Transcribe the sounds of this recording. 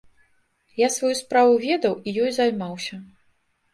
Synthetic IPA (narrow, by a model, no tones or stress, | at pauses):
jasvajuspɾavuvʲɛd̪ɐwijɔjzajmawsʲɐ